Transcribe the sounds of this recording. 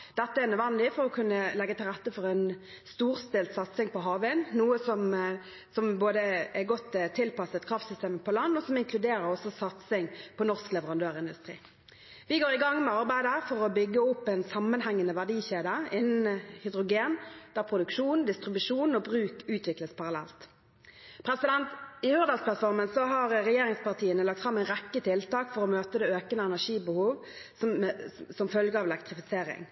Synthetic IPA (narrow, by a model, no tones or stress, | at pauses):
d̪̥ɛt̪ːəæʁnœd̪ʋɛnəlɪfɔʁɔkʰʉnːəlɛɡːət̪ʰɪlʁɛt̪ːəfɔʁɛn | st̪uːʁst̪eːlt̪sɑt̪sɪŋpʰɔɦɑːʋənnuːəsɔm | sɔmboːd̪əɛɡɔt̪ːt̪ʰːɪlpɑsət̪kʰɾɑːft̪sʏst̪eːməpʰɔlɑnːɔsɔmɪŋkʰlʉd̪eːɾəɾɔsɔsɑt̪sɪŋpʰɔnɔʁsklɛʋəʁɑnd̪øːʁɪnd̪ʉst̪ʁḭː | ʋɪɡoːʁɪɡɑŋːmɛɑʁbæɪd̪əæːʁfɔʁɔbʏɡːəʊpːɛnsɑmːənhæŋːənəʋæʁd̪iːçeːd̪əɪnːnhʏd̪ʁʊɡeːnd̪̥æʁpʰʁʊd̪ʉkʂuːnd̪ɪst̪ʁɪbʉʂuːnɔbʁʉːkʉːt̪ʋɪkləspʰɑʁɑlɛ̰lt̪ | pʰɾɛsɪd̪ɛnt̪ɪhʉːʁd̪ɑlspʰlɑt̪fɔʁmənsɔɦɑʁʁɛjeːʁɪŋspɑʁt̪ʰiːənəlɑk̚t̪fʁɑmːæɪnʁɛkːət̪ʰɪlt̪ɑːkfɔʁɔmøːt̪əd̪ɛøːkənəɛnæʁʂiːbəhuːʋ | sɔmfœlɡəɑʋɛlɛk̚t̪ʁɪfɪseːɾɪ̰ŋ